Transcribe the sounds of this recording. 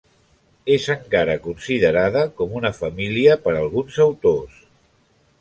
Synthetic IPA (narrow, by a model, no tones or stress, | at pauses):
ezəŋkaɾəkunsiðəɾaðəkɔmunəfəmiliəpəɾəlˠɣ̞unzəwt̪os